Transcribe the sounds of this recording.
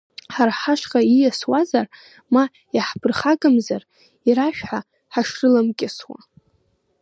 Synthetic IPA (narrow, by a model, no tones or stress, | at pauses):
ħarħaʃqʼaijaswazar | ma | jaħpʰɨrχaɡʼamzar | iɾaʃᶣħa | ħaʂrɨlamkʲʼɪswa̰